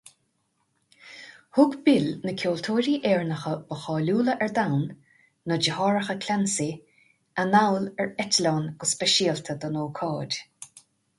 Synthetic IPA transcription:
hʊɡbɪlnəkʰʲoːlt̪ʰoːɾiːʔɛːɹnəxəbəxɑːluːləʔɛɹd̪awnː | əd͡ʒəhɑːɹəxəkʰlʲansi | anawlɛɹɛtəlɔːnɡ̥əsbɛʃiːəlt̪ʰəd̪ənoːkʰɑːd̥ʲ

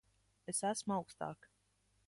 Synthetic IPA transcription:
esæsmuawkst̪ɑ̰ːk

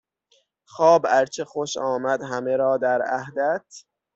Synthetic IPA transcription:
xɒːbæɾt͡ʃʰexoʃɒːmæd̪ɦæme̞ɾɒːd̪æɾæhd̪æt̪ʰ

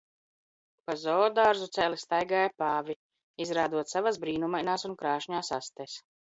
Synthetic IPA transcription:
pazɔːd̪aɾzut̪sʲɛlist̪ajɡaːjapaːvʲi | izɾaːd̪uɔt̪savazbɾiːnumajnaːsunkɾaːʃɲaːsa̰st̪ɛs

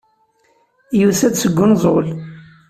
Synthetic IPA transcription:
jusæd̪səɡʷːʊnzˤol

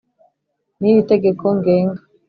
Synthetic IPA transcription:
niβite̞ɡekʰoŋɡeːŋɡa

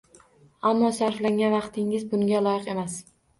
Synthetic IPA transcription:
amːɒsaɾflaŋɡʲanvɑqt̪ʰɪŋɪzbʊŋɡʲalɒjɪqe̞mas

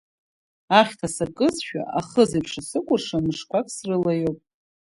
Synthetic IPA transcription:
aχʲtʰasakʼɨzʃᶣa̰ʔaχəzapʰʂasɨkʷʼʊrʂamɨʂkʷʰakʼsrɨlajopʼ

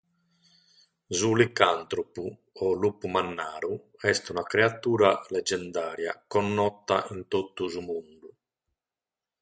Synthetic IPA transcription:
zulikant̪ɾopu | ɔlupumanːaːɾu | ɛst̪unakɾeat̪uːɾalɛd͡ʒɛnd̪aːɾja̰kɔnːɔt̪ːa̰ʔint̪ot̪ːuzumund̪u

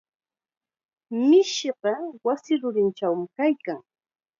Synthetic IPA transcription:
mɪʃɪɢɑwasɪɾʊɾɪnt͡ʃawmɪkajkaŋ

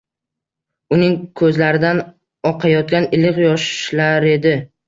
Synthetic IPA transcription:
ʊnɪŋkʰɵzlaɾɪd̪an | ɒqʰɑjɒt̪̚kʲanɪlɪqjɒʃlaɾe̞d̪ɪ

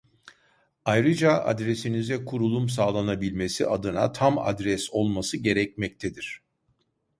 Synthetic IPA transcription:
ajɾɯd͡ʒaa̰d̪ɾesinizɛkʰuɾulˠumsaːlˠanabilʲme̞sḭad̪ɯna̰t̪ʰama̰d̪ɾɛso̞lˠmasɯɟe̞ɾɛcmɛc̚t̪ʰɛd̪iɾ̥

